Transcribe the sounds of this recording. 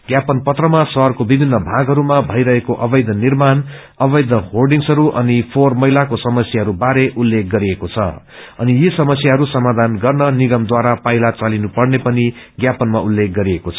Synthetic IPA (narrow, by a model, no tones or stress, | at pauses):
ɡ̥japʌnpʌt̪rʌmasʌrkobibʱinːʌbʱaɡʱɦʌɾumabʱʌjɾʌɦekoʔʌbʌjd̪ʱʌnirman | ʌbʌjd̪ʱʌɦorɖiŋsʌɾuʔʌ̰nipʰormʌɦilakosʌmʌsjaɦʌɾubaɾeʔulːek̚ɡʌɾiekot͡sʰʌ̰ | ʌ̰nijesʌmʌsjaɦʌɾusʌmad̪ʱanɡʌrnʌniɡʌmd̪waɾapaɦilat͡salinupʌrnepʌniɡjapʌnmaulːek̚ɡʌɾiekot͡sʰʌ